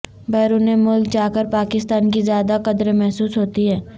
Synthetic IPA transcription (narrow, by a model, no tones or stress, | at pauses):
bɛːɾunemʊlkd͡ʒaːkəɾpaːkɪst̪aːnkizjaːd̪aqɐd̪ɾemɛɦsuːsɦoːt̪iɦɛː